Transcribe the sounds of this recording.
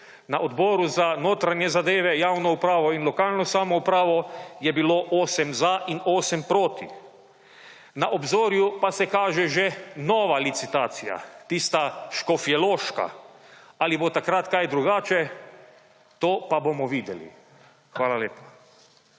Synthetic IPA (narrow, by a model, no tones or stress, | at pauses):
naʔod̪bɔːɾuzanoːt̪ɾanjɛzad̪eːʋɛjaːwnɔupɾaːʋɔinlɔkaːlnɔsamɔupɾaːʋɔjɛbiloʔoːsɛmzaʔinoːsɛmpɾoːt̪i | naʔobzoːɾjupasɛkaːʒɛʒɛnɔːʋalit̪sit̪aːt̪sija̰t̪iːst̪aʃkɔfiɛloːʃka̰ | alibot̪akɾat̪kajd̪ɾuɡaːt͡ʃɛ | t̪oːpabomɔʋiːd̪jɛlḭ | xʋaːlaleːpḁ